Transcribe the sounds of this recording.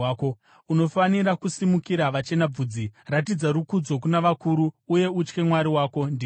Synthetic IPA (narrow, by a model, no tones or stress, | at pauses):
ko | uno̞faniɾakusimukiɾaʋat͡ʃe̞nab͡vud͡zirat̬id͡zaɾukud͡zo̞k̬unaʋakuɾuːje̞ut͡ʃke̞mwaɾiwaːko̞ndi